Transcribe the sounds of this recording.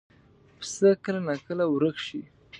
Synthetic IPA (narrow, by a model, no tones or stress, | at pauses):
pə̥səkəlanakəlawɾəkʃi